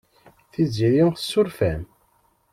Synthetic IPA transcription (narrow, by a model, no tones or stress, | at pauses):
θiziɾiθə̥sːʊɾfæn